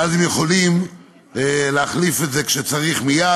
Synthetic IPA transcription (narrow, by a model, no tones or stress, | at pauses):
azemjeχo̞lim | leaχlife̞tze̞kʃet͡saʁiχmija